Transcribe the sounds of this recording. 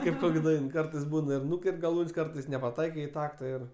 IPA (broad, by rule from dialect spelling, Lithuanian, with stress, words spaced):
ˈkɐɪp ˈkoːkʲ ˈdɐɪn ˈkɐrtɐɪs ˈbuːnɐ ɪr ˈnʊkʲɛrʲtʲ ɡɐˈlˠuːnʲsʲ ˈkɐrtɐɪs nʲɛpɐˈtɐɪkɐɪ ɪ ˈtɑːktɐ ɪr